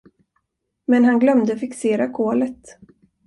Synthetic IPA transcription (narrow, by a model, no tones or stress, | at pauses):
mɛnɦanɡlœmd̪əfɪkseːɾakʰoːlət̪